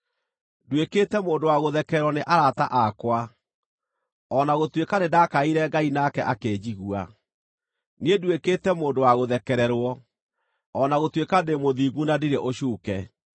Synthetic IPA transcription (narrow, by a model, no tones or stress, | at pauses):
dweketɛmoːndowaɣoðɛkɛɾwɔneʔaɾataʔakwa | ɔnaɣotwekanedakaiɾɛɡainakɛʔakeːd͡ʑiɣua̰ | niedwekeːtɛmoːndowaɣoðɛkɛɾɛɾwɔ | ɔnaɣotwekademoðiɡunadiɾeʔoɕuːkɛ